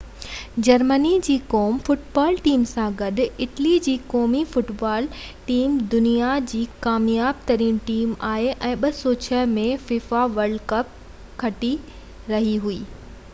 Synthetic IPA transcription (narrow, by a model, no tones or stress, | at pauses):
d͡ʑɐɾmənid͡ʑiːkɔːmfʊʈbaːlʈiːmsãɡɐɗʊ̆ɪʈlid͡ʑiːkɔːmifʊʈbaːl | ʈiːmd̪ʊnijad͡ʑiːkaːmjaːb̚t̪ɐɾĩnʈiːmaːɦeʔɛ̃ːɓɐsot͡ɕʰɐɦmẽfiːfaʋɐɾɖkɐp̚ | kʰɐʈi | ɾɐɦiɦuiː